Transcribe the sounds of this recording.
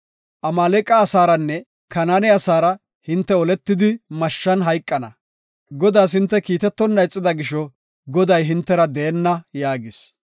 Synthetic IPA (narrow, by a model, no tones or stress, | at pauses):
ʔɐmaːlɛkʼːɐːsaːɾɐnːɛ | kɐnanɛɐsaːɾɐ | hɪnt̪ːɛɔlɛt̪ːɪd̪ɪmɐʃːɐnɦɐjkʼːɐnɐ̰ | ɡɔd̪aːs̬hɪnt̪ːɛkiːt̪ɛt̪ːɔnːɐjt͡sʼːɪd̪ɐɡɪʃɔ | ɡɔd̪ɐjɦɪnt̪ːɛɾɐd̪ɛɛnːɐjaːɡɪs